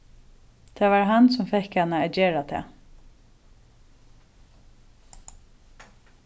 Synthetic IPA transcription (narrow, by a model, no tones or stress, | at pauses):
t̪ʰæːʋaɹɦansɔmfɛhkhanaɛd͡ʒeːɹat̪ʰæ̰ː